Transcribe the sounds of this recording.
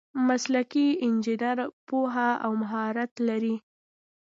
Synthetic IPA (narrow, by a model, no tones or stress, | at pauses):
maslakiɪnd͡ʒɪnaɾpoɦaawmaɦɑɾat̪laɾi